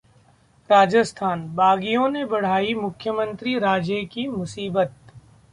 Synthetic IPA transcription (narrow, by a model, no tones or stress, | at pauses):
ɾaːd͡ʒəst̪ʰaːnbaːɡijõnebɐɽ̤aːimʊkʰjəmə̃nt̪ɾiɾaːd͡ʒekimʊsiːbət̪̚